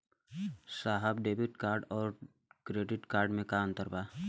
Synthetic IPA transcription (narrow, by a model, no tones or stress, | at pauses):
saːɦəbɖeːbɪʈkaːɾɖɔːɾ | kɾeːɖɪʈkaːɾɖmẽkaːnt̪əɾbaː